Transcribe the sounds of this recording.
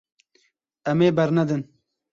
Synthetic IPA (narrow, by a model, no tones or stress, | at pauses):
ɐmeːbɐɾnɐd̪ɨn